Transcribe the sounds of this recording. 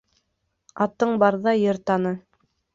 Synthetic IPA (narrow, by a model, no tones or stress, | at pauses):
ɑt̪ɤɴbɑɾðɑjɤɾt̪ɑnɤ